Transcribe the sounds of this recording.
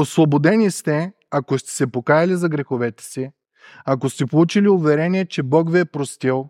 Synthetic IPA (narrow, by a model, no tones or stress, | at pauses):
oslˠobod̪ɛnʲist̪ɛ | akost̪ɛ̥sɛpokajɐlʲizɐɡɾɛxovɛt̪ɛ̥si | akost̪ɛpolˠut͡ʃiliʊvɛɾɛniɛt͡ʃɛbɔkviɛpɾost̪ilˠ